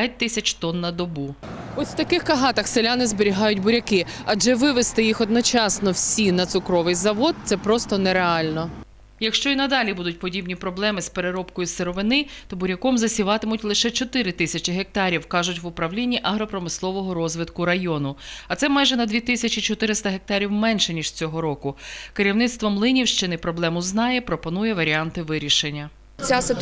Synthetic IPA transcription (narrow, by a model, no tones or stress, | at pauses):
t̚ʲt̪ɪsʲɐt͡ʃt̪ɔnːɐd̪ɔbu | ɔsʲw̥t̪ɐkɪxkɐɦɑt̪ɐxselʲanɪzbeɾʲiɦɑjʊt̚ʲbʊɾʲɐkɪɐd͡ʒɛʋɪʋest̪ɪjixɔd̪nɔt͡ʃɑsnɔwsʲinɐt̪sʊkɾɔʋɪjzɐʋɔd̪̚t̪sɛpɾɔst̪ɔnɛɾeɑlʲnɔ | jɐkʃt͡ʃɔinɐd̪ɑlʲibud̪ʊt̚ʲpɔdʲibnʲipɾɔblˠɛmɪspeɾeɾɔpkɔjʊseɾɔʋɪnɪt̪ɔbʊɾʲɐkɔmzɐsʲiʋɑt̪ɪmʊtʲlˠɪʃɛt͡ʃɔt̪ɪɾɪt̪ɪsʲɐt͡ʃɪɦek̚t̪ɑɾʲiwkɑʒʊtʲʋʊpɾɐwlʲinʲːiʔɐɦɾɔpɾɔmɪslˠɔʋɔɦɔɾɔzʋɪt̪kʊɾɐjɔnʊɐt̪sɛmɑjʒɛnɐd̪ʲʋʲit̪ɪsʲɐt͡ʃit͡ʃɔt̪ɪɾɪst̪ɐɦek̚t̪ɑɾʲiwmɛnʃɛnʲiʒ̥t͡sʲɔɦɔɾɔkʊkeɾʲiwnɪt̪st̪ʋɔmlˠɪnʲiwʃt͡ʃɪnɪpɾɔblˠɛmʊznɑjɛpɾɔpɔnujɛʋɐɾʲiɑnt̪ɪʋɪɾʲiʃenʲːɐ | t͡sʲasɪ